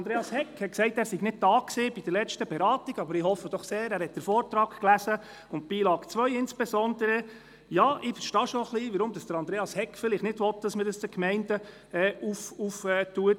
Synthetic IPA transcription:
ɑnd̪ɾeːɑshɛkhɛt̚ksɛɪtæːɾsiɡnɪd̥̚dɑːkseːb̥id̥əɾlɛt͡ʃtəbɛɾɑːtiɡ̥ɑbəɾɪhɔfːədɔχseːɾæːɾhɛt̚d̥əɾfɔːɾtɾɑːkklæsə | ʊntb̥iːlɑːɡt͡sʋœjɪnsb̥esɔndəɾə | jɑːʔɪfəɾʃtɑːʃoχliʋəɾʊmd̥ɑsd̥əɾɑnd̥ɾeːɑshɛkfɪlɪχtnɪdʋɔt̚d̥ɑsmədɑsd̥əkmɛɪndə | ɛːufufɛtuət̚

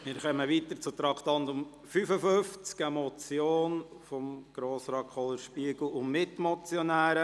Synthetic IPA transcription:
mɪːɾχœməʋiːtəɾt͡sʊt̪ɾɑkʰt̪ɑnt̪ʊm | fyfəfʏft͡skɛmɔt͡sjoːnfɔmɡ̥ɾoːsɾɑːkʰχɔlːəɾʃpiəɡl̩ˠʊnmɪtmɔt͡sjɔnæːɾə

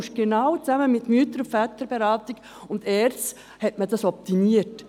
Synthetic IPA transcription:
ʃɡ̥enaʊt͡saməmɪtmyːtəɾfɛtəɾbeɾɑːtɪɡ̥ | ʊndɛːɾt͡s | hɛtmədɑsɔp̚timiət

